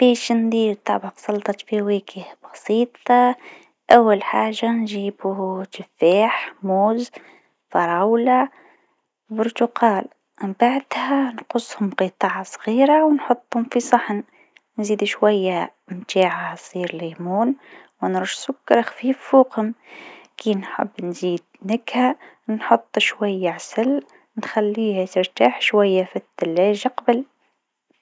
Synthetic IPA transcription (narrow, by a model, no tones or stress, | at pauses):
b̥eːʃnd̪iːlt̪ˤɑbɑqsˤɑlt̪ˤɑfiweːkʰɪhbɑsˤiːt̪ˤɑ | ʔawːalħaːʒːanʒiːbuʃɪfeːħmuːz | fɑɾˤɑwla | bʊɾt̪ʊqɑːl | baʕd̪hanqʊsˤːhʊmqit̪ˤɑːʕasˤɣiːɾawnħʊt̪ˤːhʊmfisˤɑħn | nziːd̪uʃwajːa | mt̪aːʕasˤiːɾlemuːn | wnɾuʃsʊkːɑɾˤxfiːfːuːqhʊmkiːnħa̰bːnziːd̪̚nɪkha | nħʊt̪ˤːʃwajːaʕasal | nxalːiːhat̪ɪɾt̪aːħʃwajːafit̪ːalːeːʒaqɑbɪl